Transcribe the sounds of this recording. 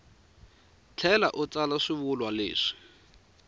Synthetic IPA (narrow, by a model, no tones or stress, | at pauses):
t͡ɬʰɛla̰ʔʊt͡salaʂiβʊlwalḛːʂi̥